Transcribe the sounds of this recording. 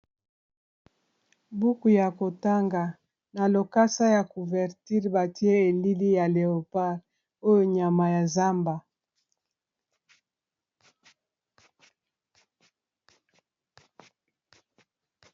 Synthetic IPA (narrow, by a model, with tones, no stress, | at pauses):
bu˦ku˨ja˨ko˨ta˦ŋɡa˨ | na˨lo˨ka˦sa˦ja˨ku˨vɛ˨ʁti˦ʁba˨ti˦e˦e˨li˦li˦ja˨le˨o˨pa˦ʁ | o˦jo˦ɲa˨ma˨ja˨za˦mba˨